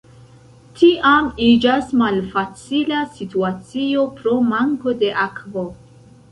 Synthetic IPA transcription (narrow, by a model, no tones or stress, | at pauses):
tʰiʔamid͡ʒasmalfat͡silasituat͡sio̞pɾo̞maŋko̞de̞ʔakvo̞